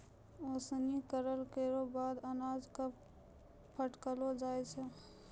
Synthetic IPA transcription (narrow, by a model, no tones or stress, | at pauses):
oːsnikəɾəlkeɾobaːd̪ənaːd͡ʒka | pʰəʈkəlod͡ʒaːet͡ʃʰe